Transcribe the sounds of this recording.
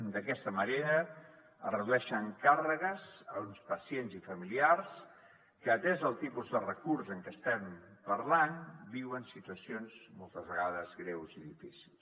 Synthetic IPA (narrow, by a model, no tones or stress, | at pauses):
d̪əkɛst̪əməneɾəː | rəðuɛʃəŋkarəɣəzəunspəsjenzifəmiliars | kəːt̪ɛzəlˠt̪ipuzðərəkurzəŋkɛst̪ɛmpəɾlanbiwənsit̪uəsionzmolˠt̪əzβəɣaðəzɣɾɛwziðifisilˠs